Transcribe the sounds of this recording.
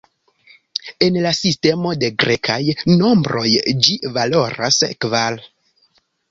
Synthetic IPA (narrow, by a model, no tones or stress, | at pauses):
e̞nlasiste̞mo̞de̞ɡɾʔekʰajno̞mbɾo̞jd͡ʒivalo̞ɾa̰skval